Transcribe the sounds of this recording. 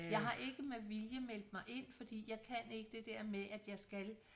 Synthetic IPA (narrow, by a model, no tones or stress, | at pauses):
jɑ̈ɪɦɑ̈ʔe̝ɡ̥əmeʋiljəmel̰d̥əmɑ̈ɪʔe̝n̰fɒ̽d̥ḭːjɑ̈ɪkʰæne̝ɡ̥əd̥e̝d̥ɛɐ̰meʔæd̥jɑ̈ɪsɡ̥æl